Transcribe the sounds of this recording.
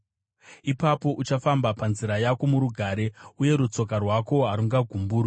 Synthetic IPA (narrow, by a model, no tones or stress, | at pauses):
ipapo̞ʔut͡ʃafambapanziɾajako̞muɾuɡʱaːɾe̞uje̞ɾut͡so̞k̬arwako̞ɦaɾuŋɡaɡʱumbuːrwi